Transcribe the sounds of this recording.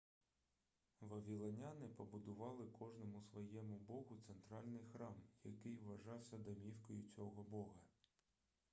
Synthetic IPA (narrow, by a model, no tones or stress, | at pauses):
ʋɐʋʲilˠɐnʲɑnɪpɔbʊd̪ʊʋɑlˠɪkʰɔʒnɔmʊsʋɔjɛmʊbɔɦʊt̪sent̪ɾɑlʲnɪjxɾɑmjɐkɪjʋʋɐʒɑwsʲɐd̪ɐmʲiwkɔjʊt͡sʲɔɦɔbɔɦɐ